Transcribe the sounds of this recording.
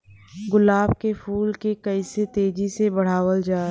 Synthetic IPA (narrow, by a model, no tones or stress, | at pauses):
ɡʊlaːbkefʰuːlkekɐiset̪eːd͡ʒisebɐɽ̤aːʋəld͡ʒaː